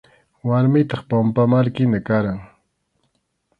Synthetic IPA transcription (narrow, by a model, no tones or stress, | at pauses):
waɾmɪt̪ɑχpampamaɾkɪnakaɾaŋ